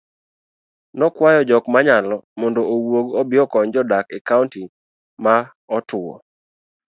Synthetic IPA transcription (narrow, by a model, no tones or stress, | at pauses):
nɔkwajɔd͡ʒɔkmaɲalɔmɔndoʔowoɡɔbɪjɔkɔɲd͡ʒɔdakɛkaunti | ma | ɔtʊɔ̰